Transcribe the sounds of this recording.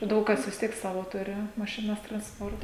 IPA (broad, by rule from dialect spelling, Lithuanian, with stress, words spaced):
ˈdɐʊk kɐs ʋʲɪs ˈtʲiɛk ˈsɑːʋoː ˈtʊrʲɪ mɐʃʲɪˈnɐs trɐnsˈpoːrtɐ